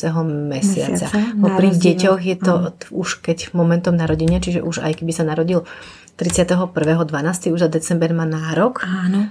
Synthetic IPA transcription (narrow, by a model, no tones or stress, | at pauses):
ɛɦɔmɛsɪa̰t͡sa̰vɔpɾiːɣɟɛcɔɣjɛt̪ɔuʃkɛcmɔmɛnt̪ɔmnaɾɔɟiɲɛt͡ʃiʒɛ̰ʔuʒa̰jkɛbisanaɾɔɟil | t̪ɾit͡sɪat̪ɛɦɔpr̩ʋɛːɦɔd̪ʋanaːst̪iuʒzad̪ɛt͡sɛmbɛɾmaːnaːɾɔkan